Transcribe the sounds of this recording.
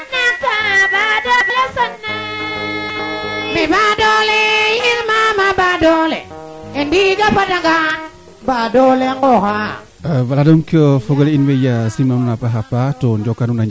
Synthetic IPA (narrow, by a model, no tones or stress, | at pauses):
napabadoasanːa | mibadɔljiŋmamabadoleendid͡ʒapadaɡa | badoleŋɡɔka | abaladoŋkiofoɡoleinwejasimanunapaɦapːatond͡ʒokːanunaɲ